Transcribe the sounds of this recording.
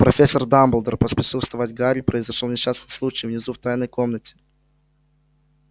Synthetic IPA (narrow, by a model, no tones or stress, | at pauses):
pɾɐfʲesːərd̪ambəlˠd̪ərpəspʲɪʂɨlˠst̪vɐvat̚ʲɡaɾʲpɾəɪzɐʂolˠnʲɪɕːasnɨslˠut͡ɕɪjvnʲɪzuft̪ajnəjko̞mnətʲɪ̥